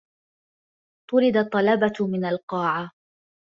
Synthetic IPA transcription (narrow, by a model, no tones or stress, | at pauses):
t̪ˤʊɾɪd̪at̪ˤːɑlɑbat̪mɪnalqɑːʕa